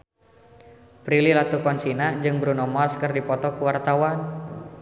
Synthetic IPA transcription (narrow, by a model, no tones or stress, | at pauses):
pɾililat̪ukɔnsinad͡ʒɨŋbɾunɔmalskɨrdipɔt̪ɔkuwart̪awan